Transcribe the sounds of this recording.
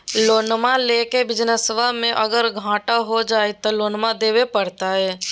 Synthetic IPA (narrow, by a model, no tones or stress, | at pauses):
loːnmãleːkebɪd͡ʒnəsʋamẽʔəɡəɾɡʱãːʈaɦod͡ʒaːet̪oloːnmad̪eːwepəɽt̪aɦɛː